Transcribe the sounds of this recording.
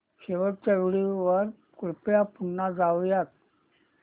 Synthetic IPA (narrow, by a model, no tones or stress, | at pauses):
ɕeʋəɾt͡ɕəɾɭiʋəɾ | kuɭpjapuɳːad͡zaʋjat̪̚